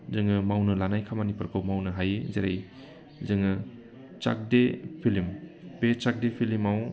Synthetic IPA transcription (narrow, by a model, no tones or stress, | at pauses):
zɯŋɯmawnɯlanajkʰamanipɐɾkʰɯwmawnɯɦajezeɾaj | zɯŋɯ | t͡ʃa̰k̚depʰilimpet͡ʃak̚depʰilimaw